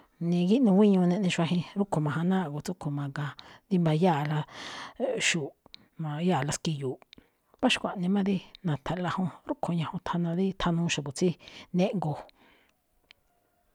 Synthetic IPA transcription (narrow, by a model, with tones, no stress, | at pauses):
nĩ˧ɡi˦ʔnũ˧wʷĩ˦ɲũ˧nẽ˧nĩ˧ʃʷa˧ɦĩ˧ɾu˦kʰo˨mã˨ɦã˧nãː˦˨ɡo˨t͡su˦kʰo˨mã˨ɡã˧nd̪i˧˦mbã˧jaː˦˨la˧ | ʃu˨ | mã˧ja˦˨la˧ski˧juː˨ʔ | βa˦ʃkʷã˨ʔnĩ˧mã˦ði˦nã˨t̪ʰa˨la˧hõ˧ɾu˦kʰo˨ɲã˧hõ˧t̪ʰa˧nã˧ði˦t̪ʰa˧nũ˧˦ʃa˨bu˨t͡si˦nẽ˦ʔŋɡo˧